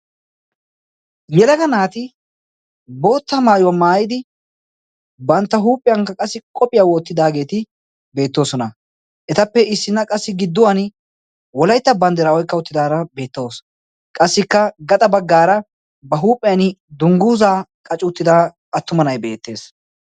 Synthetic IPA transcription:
jɛlɐɡɐnaːt̪ɪ | bo̞ːt̪ːɐmaːjʊwɐmaːjɪd̪ɪ | bɐnt̪ːɐɦuːpʼːɪjɐŋkːɐkʼɐsːɪkʼɔpʼːɪjawoːt̪ːɪd̪aːɡe̞ːt̪ɪ | be̞ːt̪ːo̞ːsɔnɐ | ʔɛt̪ɐpːɛɪsːɪnːɐkʼɐsːɪɡɪd̪ːʊwɐn | wɔlɐjt̪ːɐbɐnd̪ɛɾaːwɔjkːɐʊt̪ːɪd̪aːɾɐbe̞ːt̪ːɐwos | kʼɐsːɪkːɐɡɐt̪ʼɐbɐɡːaːɾɐ | bɐɦuːpʼːɛjɐnɪd̪ʊŋɡuːzaːkʼɐt͡ʃʼʊːt̪ːɪd̪aː | ɐt̪ːʊmɐnɐjbe̞̰ːt̪ːe̞ːs

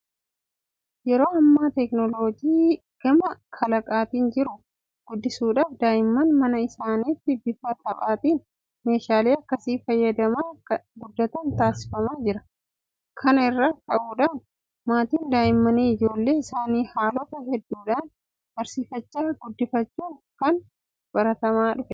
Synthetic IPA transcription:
jɛɾo̞ːɐmːaːt̪ɛknɔlo̞ːd͡ʒiː | ɡ̥ɐmɐkʰɐlɐkʼaːt̪iːnd͡ʒɪɾʊ | ɡ̥ʊd̪ːɪsuːᶑaːfd̪aːjɪmːɐnmɐnɐɪsaːniːt̪ːɪbɪfɐt̪ɐpʼaːt̪iːn | me̞ːʃaːle̞ːɐkːɐsiːfɐjːɐd̪ɐmaːkːɐɡʊd̪ːɐt̪ɐnt̪aːsɪ̥fɐmaːd͡ʒɪɾɐ | kʰɐnɐɪrːaːkʼɐʔuːᶑaːn | maːt̪iːnd̪aːjɪmːɐniːɪd͡ʒo̞ːlːe̞ːɪsaːniːhaːlɔt̪ɐhɛd̪ːuːᶑaːn | bɐɾsiːfɐt͡ʃːaːɡ̥ʊd̪ːɪfɐt͡ʃːuːŋkɐn | b̥ɐɾɐt̪ɐmaːᶑʊfɛ

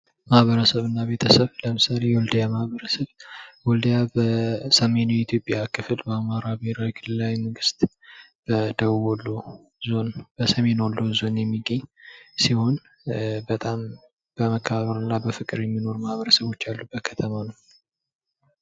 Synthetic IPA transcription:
mahβəɾəsəβɨnːaβe̞t̪ʰəsəβləmɨsale̞jɛwɔld̪əjamahβəɾəsəβwɔld̪əjabəsəme̞nujɛɪt̪ʰjo̞pʼjakʰɨfɨlbəamaɾabeɾajkʰɨlɨlawjməɡɨst̪ʼ | b̥əd̪əwolːo | zo̞nb̥əsəme̞nolːozo̞njɛmːiɡəɲːsiho̞n | bət̪ʼam | b̥əməkʰːəβaβəɾɨnːabəfɨkʼɨɾjɛmːino̞ɾuməhβəɾəsəβo̞t͡ʃːalːubəkʰət̪ʰəmanəw

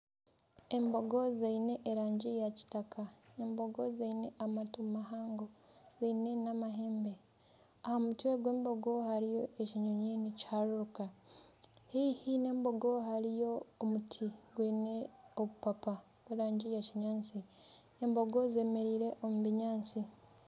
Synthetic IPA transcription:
e̞mbo̞ɡo̞zeine̞ʔːɾaːɲɟijaci̥takaembo̞ɡozeine̞ʔamatumahaːŋɡo̞ | zeine̞namaɦeːmbe̞ | ahamutweɡwe̞ːmbo̞ɡohaɾijo̞ʔeciɲoɲinici̥haɾuɾuka | hihine̞ːmbo̞ɡo̞ɦaɾijo̞ːmutʰiɡweːneoβupapa | ɡweɾaːɲɟijaciɲaːnt͡si | embo̞ɡoze̞ːme̞ɾiːɾe̞ʔomuβiɲaːnt͡si

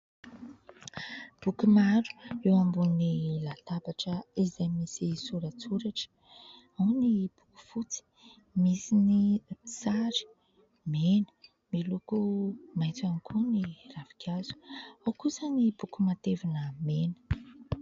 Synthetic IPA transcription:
b̥ukumaɾu̥ewambunnilat̪abaʈ͡ʂəizajmisisuɾət͡suɾaʈ͡ʂ | awnib̥uku̥fut͡si̥ | misinisaɾi̥ | menə̥ | milukumajt͡s̪anikʰuniravikʰʲazu̥awkusənib̥ukumat̪evanəmenə̥

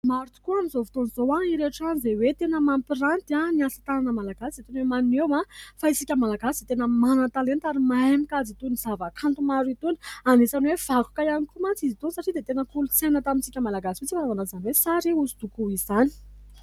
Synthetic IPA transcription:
maɾut̪u̥kuanizovu̥t̪onizowaiɾeʈ͡ʂanizewet̪enəmampiɾant̪aniasat̪ananəmalaɡ̥asiet̪inwemannewafaisikʲəmalaɡasid̪et̪enəmanət̪alent̪aɾimajmikazit̪unizavəkʰant̪umaɾit̪uni̥anesanwev̥aku̥kaianikumant͡sizit̪unsaʈ͡ʂid̪et̪enəkulut͡senət̪amint͡sikʲəmalaɡasiet͡sifanavanazaniwesaɾiusid̪ukuizani̥

